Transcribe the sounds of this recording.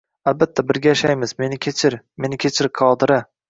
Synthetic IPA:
albat̪ʰːabɪɾɡʲajaʃajmɪzme̞nɪkʲʰet͡ʃʰɪɾ | me̞nɪkʲʰet͡ʃʰɪɾqʰɒd̪ɪɾɪ

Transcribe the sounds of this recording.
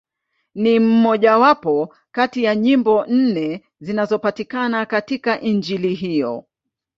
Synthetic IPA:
nim̩mɔʄawapɔ | katijaɲimbɔn̩nɛ | zinazɔpatikanakatikaʔind͡ʒiliɦijɔ̰

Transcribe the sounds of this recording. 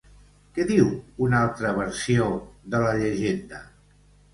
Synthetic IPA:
kɛðiwunalˠt̪ɾəβ̞əɾsioðələʎəʒend̪ə

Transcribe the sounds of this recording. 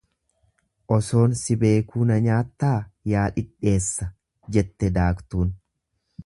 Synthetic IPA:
ʔɔso̞ːnsɪbe̞ːkuːnɐɲaːt̪ːaːjaːᶑɪᶑe̞ːsːɐ | d͡ʒɛt̪ːɛd̪aːkt̪uːn

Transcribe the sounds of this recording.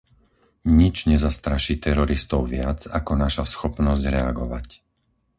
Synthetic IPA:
ɲid͡ʒɲɛzast̪ɾaʃiːt̪ɛɾɔɾist̪ɔʊʋɪad͡zakɔnaʃasxɔpnɔzɟɾɛaɡɔʋac

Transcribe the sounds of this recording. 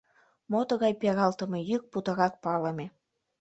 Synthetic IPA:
mot̪ɤ̆ɣɑjpeɣɑlt̪ɤ̆mĕjyk̚put̪ɤ̆ɾɑk̚pɑlɤ̆mʲe

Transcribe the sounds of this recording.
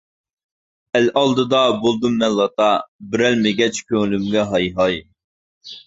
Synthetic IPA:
ɛlʔɑlˠd̪ɨd̪ɑbolˠd̪umːɛnlːˠɑt̪ɑbɪɾɛlmɪɡʲɛt͡ʃkʲøŋlymɡʲɛɦɑjɦɑj

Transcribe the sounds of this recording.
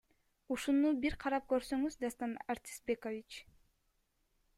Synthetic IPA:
uʃunubiɾqʰɑɾɑp̚køɾsøŋyzd̪ɑst̪ɑnaɾt̪ʲʰi̥sbekovʲit͡ʃ

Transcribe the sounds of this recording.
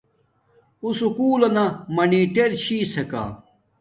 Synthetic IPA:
usukuːlɐnɐmɐniːʈeɾt͡ɕʰiːsɐka̰ː

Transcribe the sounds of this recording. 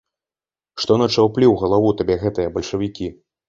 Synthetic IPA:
ʂt̪ɔnɐt͡ʂawplʲiwɣɐlˠavut̪abʲɛɣɛt̪ɨjɐbɐlʲʂɐvʲikʲi

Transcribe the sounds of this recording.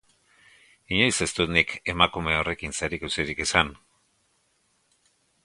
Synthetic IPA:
iɲo̞jse̞st̪ut̪nike̞makume̞o̞re̞kinseɾikewsiɾikesan

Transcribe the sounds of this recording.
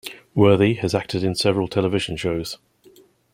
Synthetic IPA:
wɜːðiəzak̚tʰɪdɪ̃nsɛvəɹəlˠtʰɛlɪvɪʒə̃nʃəʊz̥

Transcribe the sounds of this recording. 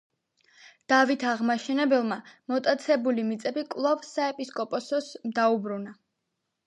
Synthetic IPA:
d̪̥avit̪ʰaʁmaʃɛnɛbɛlˠmamɔt̪ʼat̪sʰɛbulimit̪sʼɛbikʼlˠɔvsaɛpʼiskʼɔpʼɔsɔsmd̪aubɾuna

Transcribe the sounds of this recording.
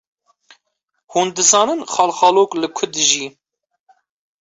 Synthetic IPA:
huːnd̪ɨzɑːnɨnχɑːlxɑːloːklɨkʰʊd̪ɨʒiː

